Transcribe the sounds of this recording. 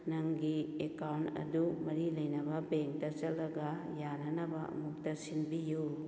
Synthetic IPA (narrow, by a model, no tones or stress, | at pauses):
nɐŋɡiekawntɐ̰dumɐɾilɐjnɐbɐbeŋtɐt͡ʃɐlːɐɡɐ | janɐnɐbɐʔɐ̰muk̚tɐsinbiju